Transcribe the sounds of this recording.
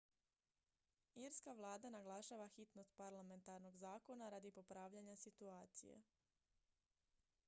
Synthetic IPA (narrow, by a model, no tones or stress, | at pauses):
iɾskaʋlˠaːd̪anaɡlˠaʃaːʋaxit̪no̞st̪̚paɾlame̞nt̪aɾno̞ɡzaːko̞naɾaːd̪ipopɾaːʋʎaɲasit̪uaːt̪sijḛ